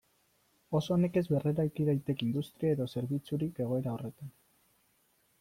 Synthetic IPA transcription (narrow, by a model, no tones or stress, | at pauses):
o̞so̞ːne̞ke̞zβe̞reɾajk̪iðajt̪e̞kind̪ust̪ɾiae̞ðo̞se̞ɾβit͡suɾike̞ɣ̞o̞e̞ɾao̞re̞t̪an